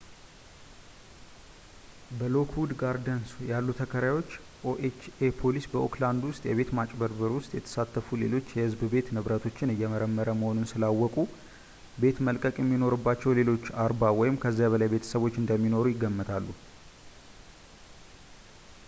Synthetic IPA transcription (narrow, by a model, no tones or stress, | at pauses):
bəlo̞kʰhud̪ɡaɾd̪ənsjalːut̪ʰəkʰəɾajwo̞t͡ʃː | ʔoʔet͡ʃepʰo̞lisbəokland̪wʊst̪ʼjɛβe̞t̪mat͡ʃʼbəɾbəɾwʊst̪ʼjɛt̪ʰə̥sat̪ːəfule̞lo̞t͡ʃːjɛhɨzbɨbe̞t̪nɨβɾət̪ʰo̞t͡ʃːɪnɨjːɛməɾəmːəɾəməho̞nunsɨlawːɔkʼu | be̞t̪məlkʼəkʼjɛmːino̞ɾɨbːat͡ʃːɛwle̞lo̞t͡ʃːaɾbawɔjɪmkʰəzːabəlajbe̞t̪ʰə̥səβwo̞t͡ʃːɨnd̪əmːino̞ɾujɪɡːəmːət̪ʰalːu